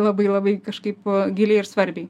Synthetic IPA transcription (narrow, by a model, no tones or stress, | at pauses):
lˠɐbɐɪlˠɐbɐɪkɐʃkɐɪpɡʲɪlʲeɪɪɾsʋɐɾʲbʲɛɪ